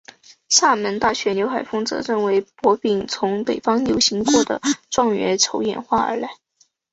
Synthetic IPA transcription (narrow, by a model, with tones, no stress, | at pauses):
sa˥˩mə˧˥nt̪a˥˩ɕɥɛ˧˥njo˧˥ʊxa˨˩ɪfɤ˥ŋt͡sɤ̰˧˥ɻə˥˩nwe˧˥ɪpwɔ˧˥pi˨˩ŋt͡sʰʊ˧˥ŋpe˨˩ɪfɑ˥ŋnjo˧˥ʊɕi˧˥ŋkwɔ˥˩d̪ə̰˩ʈ͡ʂwɑ˥˧ŋɥɛ̰˧˥ʈ͡ʂʰo˧˥ʊjɛ̰˨˩nxwa˥˩ə̰˞˧˥la˧˥ɪ